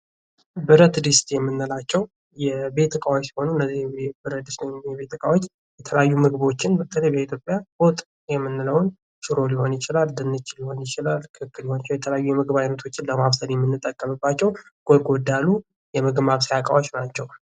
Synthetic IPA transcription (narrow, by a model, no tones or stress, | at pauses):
bɨɾət̪d̪ɨst̪jɛmːɨnːɨlat͡ʃːɛw | jɛbe̞t̪ʰɨkʼawt͡ʃːsi̥ho̞nuɨnːəzːibɨɾət̪d̪ist̪əjjɛβe̞t̪ːɨkʼawot͡ʃː | jɛt̪ʰələjajːumɨɡbo̞t͡ʃːɪnbət̪ʰəlejbəit̪ʰjo̞pʼjabot̪ʼ | jɛmːɨnːɨləwn | ʃɨɾo̞liho̞njɪt͡ʃɪlald̪ɨnːɨt͡ʃːliho̞njɪt͡ʃɪlalkʰɨɨkːɨliho̞nɪt͡ʃːwjɛt̪ʰələjajːujɛmɨɡbajnət̪ʰo̞t͡ʃːɪnləmaβsəljɛmːɨnːɨt̪ʼːəkʼːəmɨbːat͡ʃːɛwɡ̥ʼoɡʼod̪alu | jɛməɡmaβsijakʼa̰wot͡ʃnat͡ʃːɛw